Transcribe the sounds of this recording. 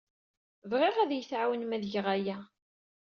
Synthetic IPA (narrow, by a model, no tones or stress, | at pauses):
vʁɪʁæðjəθʕawənmæðʝəʁæjæ